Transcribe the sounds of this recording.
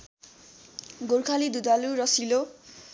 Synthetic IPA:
ɡoɾkʰalid̪ud̪aluɾʌsilo

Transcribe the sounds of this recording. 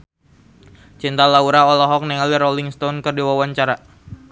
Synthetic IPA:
t͡ʃint̪alauɾaɔlɔɦɔk̚nɛŋaliɾɔliŋst̪ɔnkərdiwawaɲt͡ʃaɾa

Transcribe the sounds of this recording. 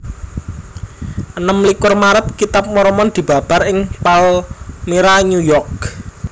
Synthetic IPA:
ʔənəmlikʊrmaɾət̪̚kit̪ap̚mɔɾɔmɔnd̪̥i̤b̥a̤b̥a̤ɾɪŋpalmeɾaɲujɔrk̚

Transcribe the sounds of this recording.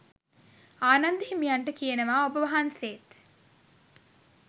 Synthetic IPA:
aːnɐnd̪iɦimijɐɳʈəkijenɐʋaːobəʋɐɦanseːt̪

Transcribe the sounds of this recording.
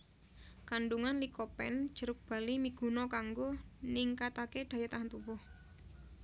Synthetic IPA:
kanɖuŋanlikɔpɛ̰n̥ʒ̥əɾʊk̚b̥a̤limiɡ̥ṳnɔkaŋɡonɪŋkat̪aked̪̥a̤jat̪aɦant̪ubʊh

